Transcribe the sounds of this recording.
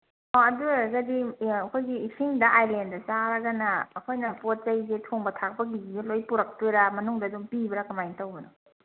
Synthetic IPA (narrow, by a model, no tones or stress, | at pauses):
ɔɐduzɐdiɐkʰojɡiːsiŋdɐʔajlendɐsaɾɐɡɐnɐːkʰojnɐpot̚zɐjzetʰoŋbɐtʰak̚pɐɡiizelojpuɾɐk̚tojɾamɐnuŋdɐduŋpibɐɾɐkɐmajntɐwbɐnɔ